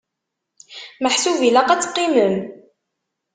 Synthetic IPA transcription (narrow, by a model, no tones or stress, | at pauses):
məħsuvilæqæt͡sːqːiməm